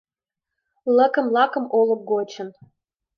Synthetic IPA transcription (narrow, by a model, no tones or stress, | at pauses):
lə̆kə̆mlˠɑkə̆molˠə̆p̚ɡot͡ɕə̆n